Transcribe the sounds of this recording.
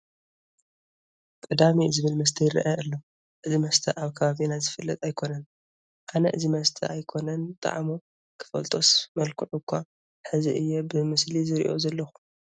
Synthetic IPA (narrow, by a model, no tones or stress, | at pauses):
kʼɨd̪amizɨβɨlmɐs̬t̪ʰɐjɪɾɐ̰ʔaʔɨlːo | ʔɨzimɐst̪ʰɐʔaβkʰɐβaβinazɨfɨlːɐt̪ʼajkʰo̞nɐn | ʔanɐʔɨzimɐst̪ʰɐ̰ʔajkʰo̞nɐnt̪ʼa̰ʕmu | kʰɨ̥fɐ̰lt̪ʼo̞smɐlkʰɨʕukʰːa | ħɨziʔɨjːɛbɨmɨslizɨɾḭʔo̞zɐlːɐxu̥